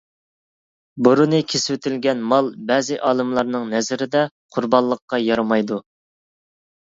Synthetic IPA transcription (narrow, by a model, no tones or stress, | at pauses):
buɾunɨkʲʰeswɪt̪ʰɪlɡʲɛnmɑlˠbɛːzɪʔɑːlˠɨmlˠɑɾnɨŋnɛzɪɾɪd̪ɛ | qʰʊɾbɑllˠːəqːɑjɑɾɑmɑjd̪u